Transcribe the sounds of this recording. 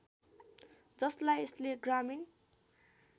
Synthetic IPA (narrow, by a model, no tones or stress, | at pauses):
d͡zʌslajesleɡramin